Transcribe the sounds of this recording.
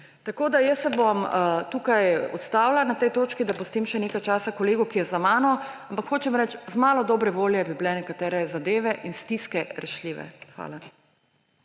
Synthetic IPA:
t̪akoːd̪ajəsːɛboʋamt̪ukajɔ̰t̪st̪aːwlanat̪ɛjt̪oːt͡ʃkid̪apɔst̪imʃɛnekajt͡ʃaːsakɔleːɡukijɛzamaːnɔampakxoːt͡ʃɛmɾɛt͡ʃzmaːlɔd̪ɔːbɾɛʋoːljɛbiblɛnɛkat̪ɛːɾɛzad̪eːʋɛʔinst̪iskɛɾɛʃliːʋɛ̰xʋa̰ːla

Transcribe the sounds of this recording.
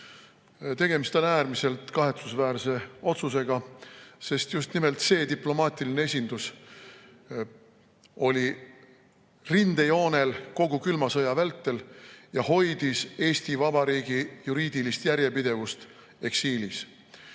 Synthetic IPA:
t̪e̞ɡ̥e̞mist̪o̞næːrmise̞lt̪kɑɦe̞t̪susvæːɾse̞o̞t̪sus̬e̞ɡ̥ɑse̞st̪just̪nime̞lt̪se̞ːt̪iplo̞mɑːt̪ʲˑilinee̞sʲind̪̥us | o̞lʲi | rind̪ejo̞ːne̞lko̞ɡ̥ukylmɑsɤjɑvælt̪ːe̞ljɑho̞jd̪̥ise̞ːsʲt̪ivɑbɑɾiːɡ̥ijuɾiːd̪̥ilist̪jæɾje̞pid̪e̞vust̪ | e̞ksiːlis

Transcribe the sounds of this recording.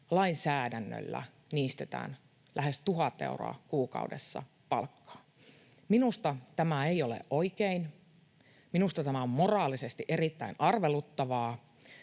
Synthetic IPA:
lɑinsæːdænːø̰lːæ̰ | niːst̪et̪æ̰ːn | lʔæhest̪uɦɑt̪ːḛuro̰ɑ̰kuːkɑ̰udḛsːɑ̰ | pɑ̰lkːɑ̥ː | minust̪ɑt̪æmæeiolḛʔʔoikein | minust̪ɑt̪æmæommorɑːlisest̪iʔerit̪ːæinʔɑrʋelut̪ːɑʋɑː

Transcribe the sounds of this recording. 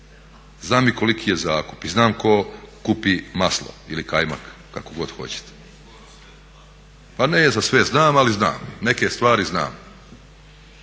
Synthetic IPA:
znaːmiko̞likijezaːkupiznaːmko̞kupimaslˠo̰ilikajma̰kːa̰koɡo̞d̪̥xo̞̰t͡ɕe̥t̪e̥ | panezasʋeznaːmalizna̰ːmne̞ke̞st̪ʋaːɾizna̰ːm

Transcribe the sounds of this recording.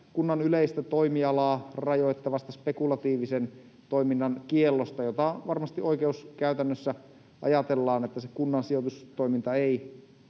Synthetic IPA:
kunːɑnyleist̪æt̪oimiɑlɑːrɑjot̪ːɑʋɑst̪ɑspekulɑt̪iːʋisen | t̪oiminːɑnkielːost̪ɑjot̪ɑʋɑrmɑst̪iʔoikeuskæyt̪ænːøsːæ | ʔɑ̰jɑt̪elːɑːnet̪ːæsekunːɑnsiot̪ust̪oimint̪ɑei

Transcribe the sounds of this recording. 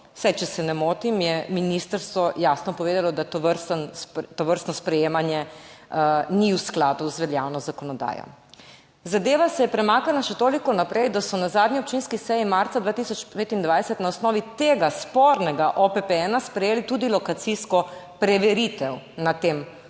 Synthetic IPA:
sajt͡ʃɛsɛnɛmoːt̪imjɛminist̪əɾst̪ʋɔjasnɔpɔʋeːd̪alɔd̪at̪oʋəɾst̪ənst̪ɔʋəɾst̪nɔspɾɛjeːmanjɛ | niwsklaːd̪uzʋɛljawnɔzakɔnɔd̪a̰ːjɔ̰ | zad̪eːʋasɛjɛpɾɛmaːkanaʃɛt̪oːlikɔnapɾɛjd̪asɔnazaːd̪nʲiɔp̚t͡ʃinskisɛjimaɾt̪sad̪ʋaːt̪isɔt͡ʃpeːt̪ind̪ʋajsɛt̪naɔsnɔːʋit̪eɡaspoɾnɛɡaʔɔpɛpɛɛnaspɾɛjeːlit̪ud̪ilɔkat̪siskɔ | pɾɛʋɛɾit̪ɛwnat̪eːm

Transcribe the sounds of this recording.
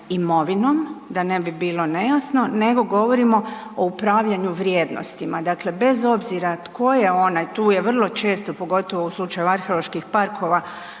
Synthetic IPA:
imo̞ʋino̞md̪ane̞bibiːlˠo̞ne̞jasno̞ne̞ɡo̞ɡo̞ʋo̞ɾimo̞ | oupɾaːʋʎaɲuʋɾje̞ːd̪no̰st̪imad̪akle̞be̞zo̞bziɾat̪ko̞jeo̞najt̪uːje̞ʋr̩lˠo̞t͡ʃe̞ːst̪o̞po̞ɡo̞t̪o̞ʋo̞uslˠut͡ʃajuaɾxelˠo̞ʃkixpaɾkʰo̞ʋa

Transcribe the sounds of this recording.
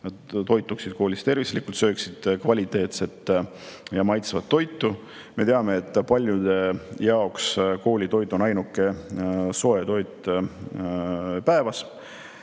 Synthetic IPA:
nɑd̪t̪o̞jt̪ːˑuksid̪̥̚koːlist̪e̞rvislikˑult̪sø̞ːksid̪̥kvɑlʲit̪ːˑe̞ːt̪se̞t̪ː | jɑmɑjt̪svɑt̪ːo̞jt̪ːˑu | me̞t̪eɑme̞ːt̪ːˑpɑlʲjud̪e̞jɑoksko̞ːlʲit̪o̞jd̪ˑo̞nɑjnukːe̞so̞et̪o̞jt̪ | pæevɑs

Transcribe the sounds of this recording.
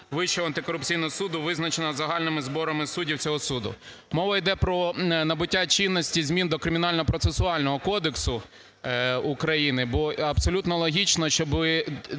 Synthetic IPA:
ʋɪʃɛɐnt̪ɪkɔɾʊp̚t͡sʲijnɔɦɔsud̪ʊʋɪznɐt͡ʃenɐzɐɦɑlʲnɪmɪzbɔɾɐmɪsudʲiwt͡sʲɔɦɔsud̪ʊ̰ | mɔʋɐjd̪ɛpɾɔnɐbʊtʲːat͡ʃinːɔsʲtʲizʲmʲind̪ɔkɾɪmʲɪnɑlʲnɔɔpɾɔt̪sesʊɑlʲnɔɦɔkɔd̪eksʊ | ukɾɐjinɪbɔɐpsɔlʲut̪nɔlˠɔɦʲit͡ʃnɐʃt͡ʃɔbɪ

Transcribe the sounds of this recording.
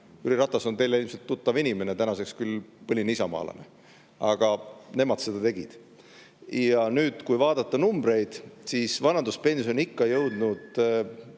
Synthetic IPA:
yɾiɾɑt̪ˑːɑso̞nt̪e̞jleilmset̪ːut̪ːɑvinime̞net̪ænɑse̞kskylpɤlʲinisɑmɑ̰ːlɑ̰ne̞̰ | ɑɡ̥ɑne̞mɑd̪̥se̞d̪ɑt̪e̞ɡ̥ḭd̪̥ | jɑnyːd̪̥kujvɑːd̪ɑt̪ːɑnumbɾe̞jd̪̥sisvɑnɑnd̪uspe̞nsio̞nikːɑjɤwd̪̥nud̪̥

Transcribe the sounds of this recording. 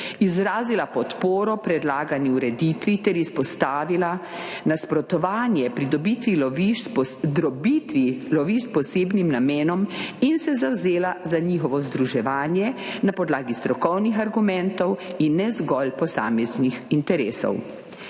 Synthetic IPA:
izɾaːzilapɔt̪poːɾɔpɾɛd̪laːɡaniuɾɛd̪iːt̪ʋit̪ɛɾispɔst̪aːʋilanaspɾɔt̪ɔʋaːnjɛpɾid̪ɔbit̪ʋilɔʋid̪ɾɔbit̪ʋilɔʋiʃspɔseːbnimnameːnɔminsɛzawzeːlazaɲixɔʋɔzd̪ɾuʒɛʋaːnjɛnapɔd̪laːɡist̪ɾɔkɔwnixaɾɡumɛ̃nt̪ɔwinːɛzɡɔlpɔsa̰ːmɛznixint̪ɛɾeːsɔ̰w

